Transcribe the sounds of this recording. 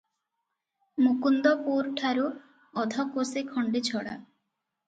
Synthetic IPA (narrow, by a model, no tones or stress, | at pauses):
mukund̪ɔpuɾʈʰaɾu | ɔd̪ʱɔkosekʰɔɳɖit͡ʃʰɔɽa̰